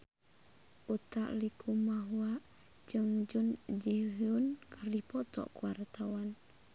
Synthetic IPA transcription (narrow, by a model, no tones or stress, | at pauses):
ʔut̪a̰ʔlikʰumaɦuaʔ | d͡ʒəŋd͡ʒund͡ʒiɦunkʰərdipɔt̪ɔ̰ʔkuwart̪awan